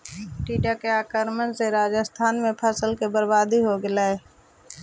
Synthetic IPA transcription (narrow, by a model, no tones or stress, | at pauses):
ʈiːɖakeaːkəɾmənseɾaːd͡ʒəst̪ʰaːnmẽpʰəsəlkebəɾbaːd̪iɦoɡɪlaɦɛː